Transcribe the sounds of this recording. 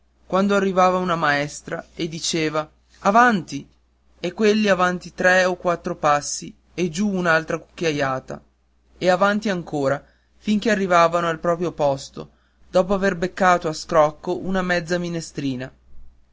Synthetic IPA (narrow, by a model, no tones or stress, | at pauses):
kwand̪oarːivaːvaunamaɛst̪ɾaed̪ːit͡ʃeːvaː | vant̪i | ekːwelːiavant̪it̪ɾɛokwat̪ːɾopasːi | ed͡ʒuːnalt̪ɾakukːjajaːt̪a̰ | eavant̪iaŋkoːɾa | fiŋkearːivaːvanoalpɾɔːpɾjopɔst̪o̰ | d̪ɔːpoaverbekːaːt̪oaskɾɔkːoʔunamɛd̪zːaminest̪ɾiːna